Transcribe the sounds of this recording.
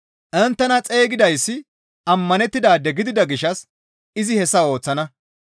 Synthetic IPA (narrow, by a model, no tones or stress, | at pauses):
ʔɛnt̪ːɛnɐt͡sʼe̞ːɡɪd̪ɐjsːɪ | ɐmːɐnɛt̪ːɪd̪aːd̪ɛɡɪd̪ɪd̪ɐɡɪʃːɐs | ɪzɪhɛsːɐo̞ːt͡sːɐnɐ